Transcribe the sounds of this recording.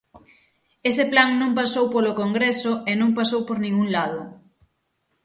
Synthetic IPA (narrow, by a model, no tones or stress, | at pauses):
esɪplaŋnõŋpasowpolokoŋɡɾesʊenõŋpasowpoɾnĩŋuŋlaðʊ